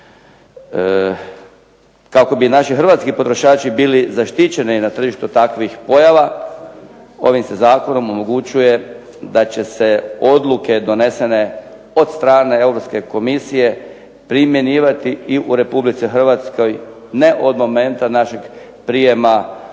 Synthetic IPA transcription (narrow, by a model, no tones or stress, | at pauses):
kako̞binaʃixɾr̩ʋat̪skipo̞t̪ɾo̞ʃaːt͡ʃibiːlizaʃt̪it͡ɕe̞ninat̪r̩ʒiʃt̪ut̪akʋixpo̞jaʋa | o̞ʋimsezaːko̞no̞mo̞mo̞ɡut͡ɕuje̞ | d̪at͡ɕe̞se̞o̞d̪lˠuke̞d̪o̞ne̞se̞ne̞ | o̞d̪st̪ɾaːne̞e̞wɾopske̞ko̞misije̞ | pɾimje̞niːʋat̪iiʔuɾe̞publit̪sixr̩ʋat̪sko̞j | ne̞ʔo̞d̪mo̞me̞nt̪anaʃe̞ɡ | pɾije̞ma